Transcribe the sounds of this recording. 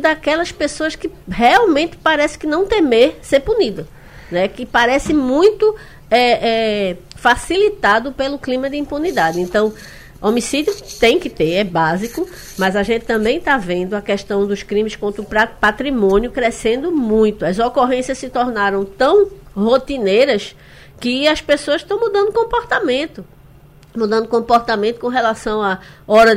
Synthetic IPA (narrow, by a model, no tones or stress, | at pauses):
d̪akɛlɐspesoɐskɪ | heawmẽnt̪ɪ̥paɾɛsɪ̥kɪnɐ̃w̃t̪emeseɾpunid̪ɐ | nɛkɪpaɾɛsɪmũj̃t̪ʊ | ɛɛfasilit̪ad̪ʊpelʊklĩmɐd̪ɪĩmpunid̪ad̪ɪẽnt̪ɐ̃w̃ | omisid̪jʊt̪ẽj̃kɪt̪eɾɛbazikʊ | mɐzaʒẽnt̪ɪ̥t̪ɐ̃mbẽj̃t̪avẽnd̪ʊɐkɛʃt̪ɐ̃w̃d̪ʊʃkɾĩmɪskõnt̪ɾʊppat̪ɾimõnjʊkɾesẽnd̪ʊmũj̃t̪ʊɐzokoɦẽsjɐssɪt̪ɔɾnaɾɐ̃w̃t̪ɐ̃w̃hot̪inejɾɐs | kɪɐspesoɐʃt̪ɐ̃w̃mud̪ɐ̃nd̪ʊkõpɔɾt̪amẽnt̪ʊ | mud̪ɐ̃nd̪ʊkõpɔɾt̪amẽnt̪ʊ̥kõɦelasɐ̃w̃aɔɾɐ